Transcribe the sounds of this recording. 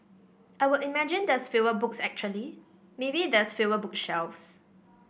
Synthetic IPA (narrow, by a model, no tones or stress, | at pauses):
ʔaɪwɪlimɛd͡ʒĩndɛsfevəbʊk̚sɛk̚t͡ʃuəli | mebidɛsfevəbʊk̚ʃɛlfs